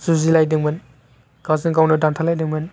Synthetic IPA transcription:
zuzilajdɯŋmɯn | ɡ̥azɯŋkawnɯdantʰalajdɯŋmɯn

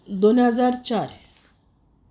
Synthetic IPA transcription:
d̪onɦəd͡zaɾt͡ɕaɾ

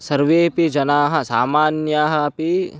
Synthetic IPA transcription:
sɐɾʋeːpid͡ʒɐnaːɦɐsaːmaːnjaɦɐpi

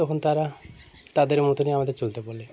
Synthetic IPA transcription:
okʰont̪aɾa | t̪ad̪eɾmot̪oniamad̪eɾt͡ʃolt̪epɔle

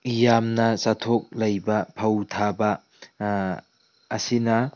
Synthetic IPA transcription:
jamnɐsatʰok̚lɐjbɐpʰɐwtʰabɐ | sinɐ

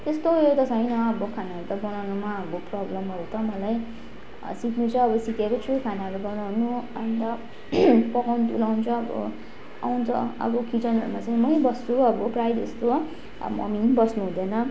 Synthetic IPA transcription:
t̪est̪oot̪ʌsʌjnʌʌbʌkʰanaʌɾut̪ʌbʌnawnumaʌboprʌblʌmʌɾut̪ʌmʌlaj | siknut͡sʰʌːbʌsikekot͡sʰukʰanaʌɾubʌnawnuʌnt̪ʌ | pʌkawnut̪ulawnt͡sʰʌʌbʌ̰ | a̰wnt͡sʰʌ̰ʌ̰bʌkit͡sʌnʌ̰ɾṵmat͡saj̃mʌjbʌst͡suʌbʌprajd̪ḛst̪o | mʌ̰minbʌsnuɦũd̪ʌnʌ

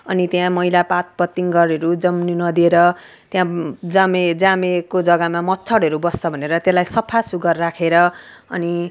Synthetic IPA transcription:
ʌnit̪jãmʌjlapat̪̚pʌt̪ːiŋɡʌɾʌɾud͡zʌmnunʌd̪ieɾʌ | t̪jãd͡zamed͡zamekod͡zʌɡamamʌtːt͡sʰʌɽɦʌɾubʌst͡sʌbʱʌneɾʌt̪jelajsʌpʰasuɡʌrːakʰeɾʌʌ̰ni

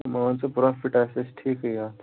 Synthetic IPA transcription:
m̤əɽãnt͡səpuɾafiʈasesʈʰiːkəjat̪

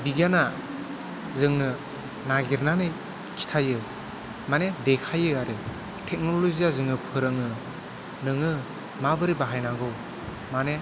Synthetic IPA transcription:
biɡana | zɯŋnɯ | naɡiɾnanɯj | kʰi̥tʰajɯ | manedekʰajɯaɾɯ | tʰek̚nɔloziazɯŋɯpʰɯɾɯŋɯ | nɯŋɯ | mabɯɾibaɦajnaɡɯw | mane

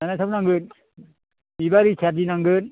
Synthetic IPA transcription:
nanajsʰabnaŋɡɯn | ibaɾisʰadinaŋɡɯn

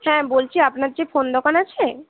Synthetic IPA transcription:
hɛ̃bolt͡ɕʰiapnaɾd͡ʑefond̪ʱɔkʰanat͡ɕʰe

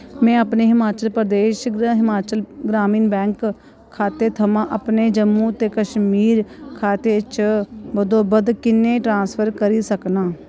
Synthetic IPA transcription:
mɛ̃ːəpneɦɪmaːt͡ʃəlpɾd̪eːʃɦɪmaːt͡ʃəlɡɾaːmiːnbɛ̃ːŋkʰː | aːt̪eːt̪ʰəmãʔəpned͡ʒəmːũːt̪eːkəʃmiːɾkʰaːt̪et͡ʃəbəd̪oːbəd̪kɪnːeʈɾãːnspʰəɾkəɾisəknaː

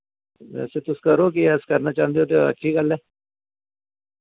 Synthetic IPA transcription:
ʋɛ̰ːset̪ʊskɐɾok̬iɛskɐɾnat͡ʃãːnd̪eot̪̬eɐ̰ːʃʰikɐle

